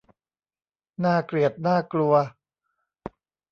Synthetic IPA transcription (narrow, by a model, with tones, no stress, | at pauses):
naː˥˩kli˨˩ət̪̚naː˥˩klu˧ɐ